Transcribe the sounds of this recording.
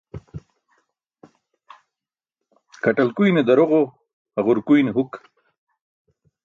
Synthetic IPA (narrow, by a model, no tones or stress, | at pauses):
kaʈalkujned̪aɾoʁo | aʁʊɾkujneɦuk